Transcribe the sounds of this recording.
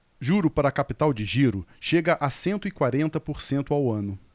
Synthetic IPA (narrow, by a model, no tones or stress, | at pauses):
ʒuɾʊpaɾɐːkapit̪awd͡ʒɪʒiɾʊʃeɡɐʔasẽnt̪ʊɪkwaɾẽnt̪ɐpoɾsẽnt̪ʊawɐ̃nʊ